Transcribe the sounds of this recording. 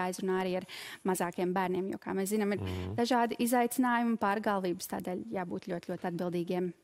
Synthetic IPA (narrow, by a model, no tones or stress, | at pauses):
ajzɾunaːaɾiːaɾmazaːkiɛmbæːɾnʲiɛmjṵːka̰ːmɛs̬zinamiɾd̪aʒaːd̪iʔizajt̪sɪnaːjumpaːɾɡaːlˠʋiːbst̪a̰ːd̪ɛːlʲjaːbuːt̪lʲuɔt̪ʲluɔt̪ʲad̪bilˠd̪iːɡiɛm